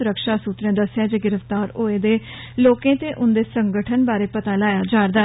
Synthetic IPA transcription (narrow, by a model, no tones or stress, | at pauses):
ʊɾəkʃaːsuːt̪ɾẽːd̪əsːjaːd͡ʒeːɡɪɾəft̪aːɾoːeːd̪eː | loːkẽːt̪eːʔʊnd̪eːsəŋɡəʈʰənbaːɾeːpət̪aːlaːjaːd͡ʒaːɾd̪aː